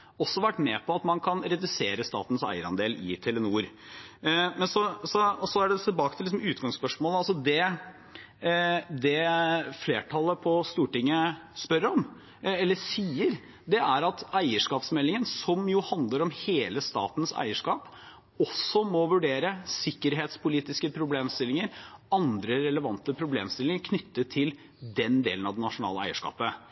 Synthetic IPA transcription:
ɔsːɔʋæʈːmɛːpʰɔɑt̪mɑnkʰɑnɾɛd̪ʉseːɾəst̪ɑ̰ːt̪n̩sæ̰ɪəɾɑ̰nd̪eːlɪ̰t̪ʰɛlənuːɾ | mɛnsɔsɔɔsɔæɖɛt̪ʰɪlbɑːkət̪ʰɪlɪsɔmʉːt̪ɡɑŋspœʂmoːləɑlsɔd̪ɛ | d̪ɛfleːʈʰɑlːəpʰɔst̪uːʈɪŋːəspœɾəɾɔm | ɛlːəsiːəɾ | d̪ɛʔæɾɑt̪æɪəʂkɑːpsmɛlːɪŋənsɔmjʊhɑnd̪ləɾɔmheːləst̪ɑ̰ːt̪nsæ̰ɪəʂkɑːp | ɔsɔmɔʋʉɖeːɾəsɪkːəɾɦeːt̪spʊliːt̪ɪskəpʰɾʊbleːmst̪ɪlɪŋəɾɑnd̪ɾəɾɛləʋɑnt̪əpʰɾʊblḛːmst̪ɪlɪŋəɾkʰnʏt̪ːət̪ʰɪl | d̪ɛnd̪ḛːlnɑʋd̪ɛnɑʂʊnɑ̰ːləæ̰ɪəʂkɑ̰ːpə

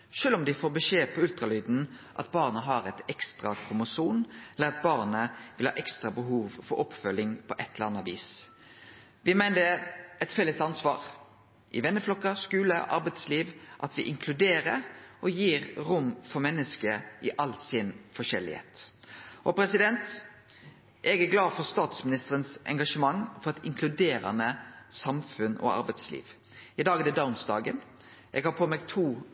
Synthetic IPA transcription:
ʃøːlɔmd̪ɪfoːɾbəʂeːpʰɔʉlt̪ʁɑlyːd̪n̩ | ʔɑ̰t̪̚bɑːʁnəɦɑːɾɛt̪ɛkst̪ʁɑkʰʊmʊsuːnɛlːəɾɑt̪̚bɑːʁnəʋɪlhɑ̰ːʔɛkst̪ɾʁɑbəɦuːʋfɔɾɔpfœlːɪŋpʰɔʔɛt̪ʰːələɑnəɑʋḭːs | ʋɪmæɪnəɛt̪fɛlːəst̪ɑnsʋɑ̰ːɾ | ʔɪʋɛnːəflɔkːɑskʉːləʔɑ̰ɾbɛɪd̪sliːʋʔɑt̪ʋɪʔɪŋkʰlʉd̪eːʁəɾɔjiːɾɾʊmfɔmɛnːəskəʔɪʔɑlsɪnfɔʃɛ̰lːɪ̰hḛːt̪ʔɔpɾɛsɪd̪ɛnt̪ | ʔɛɡæɾɡlɑːd̪fɔɾst̪ɑːt̪smɪnɪst̪əɾənsɛ̰ŋɡɑʂəmɑŋfɔʁɛt̪ɪŋkʰlʉd̪eːɾɑ̰nəsɑmfʉnɔ̰ɑ̰ɾbæɪt̪slḭːʋ | ɪd̪ɑːɡəd̪ɛd̪ɑʊmsd̪ɑ̰ːɡən | ʔɛ̰ɡhɑːɾpʰoːmeːɡt̪ʰuː

